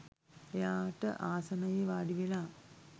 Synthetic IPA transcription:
ejaːʈə̰ʔaːsɐnɐjeʋaːɖiʋela

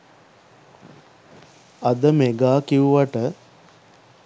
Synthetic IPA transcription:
ad̪əmeɡaːkiuʋaʈə

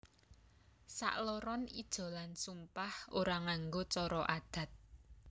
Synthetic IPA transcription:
sa̰ʔlɔɾɔnid̥ʒ̥ɔ̤lansumpahʔoɾaŋaŋɡot͡ʃɔɾɔʔad̪̥ä̤t̪̚

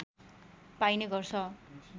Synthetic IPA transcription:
pajneɡʌrsʰʌ

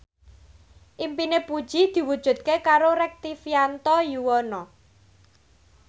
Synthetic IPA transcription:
ʔimpinepud̥ʒ̥i̤d̪̥i̤wud̥ʒ̥ṳt̪̚kekaɾoɾɛk̚t̪ifiant̪ɔjuwɔnɔ

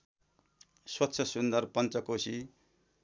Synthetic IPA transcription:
swʌtːsʰʌsund̪ʌrpʌnt͡sʌkosi

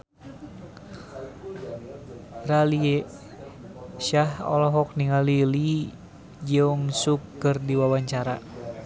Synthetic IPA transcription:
ralie | ʃahɔ̰lɔɦɔk̚niŋalili | d͡ʒɨŋsukːɨrdiwawaɲt͡ʃaɾa̰

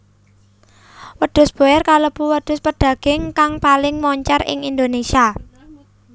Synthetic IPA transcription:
wəɖ̪̥ʊ̤sb̥o̤jɛrkaləb̥uwəd̪̥ʊ̤spəɖ̪̥ä̤ɡ̥ɪ̤ŋkaŋpalɪŋmɔɲt͡ʃarɪ̰ŋind̪onesia

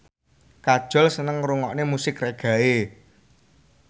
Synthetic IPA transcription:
kad̥ʒ̥ɔ̤lsənəŋɾuŋɔʔnemusɪkreɡ̥a̤e

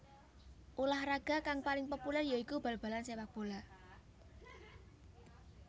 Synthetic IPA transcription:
ʔulahraɡ̥a̤kaŋpalɪŋpopulɛrjaikub̥ä̤lb̥a̤lansewak̚b̥o̤la

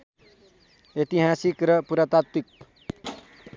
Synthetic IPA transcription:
et̪iɦasikɾəpuɾat̪at̪ːik̚

